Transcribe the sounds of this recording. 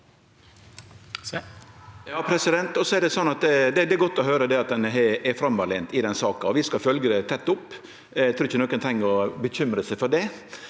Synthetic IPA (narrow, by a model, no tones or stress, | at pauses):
jɑːpʰɾɛsɪd̪ɛnt̪ɔsɔɛɖɛsɔnːɑt̪̚d̪ɛd̪ɛd̪ɛɡɔt̪ːɔɦøːɾəd̪ɛɑt̪̚d̪ɛnɦɛɛfɾɑmʋɑleːnt̪ɪd̪ɛnsɑːkɑɔʋɪskɑfœlɡəɾət̪ʰɛt̪ːʊpː | t̪ʰɾuːɾɪçənoːkənt̪ʰɛɪŋːəɾɔbəçʏmɾəsɛɪfɔɖɛ